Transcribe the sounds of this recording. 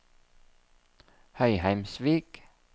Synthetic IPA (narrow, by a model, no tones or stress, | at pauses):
hœʏhæɪmsʋiːk